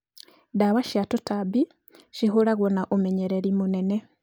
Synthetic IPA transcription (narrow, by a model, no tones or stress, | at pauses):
daβaʃjatutabi | ʃiɦulaɣonaʔomeɲeɾeɾimunene